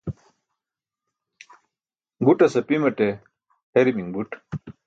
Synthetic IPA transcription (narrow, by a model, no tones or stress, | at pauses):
ɡuʈɐsɐpimɐʈe | heɾimiŋbuʈ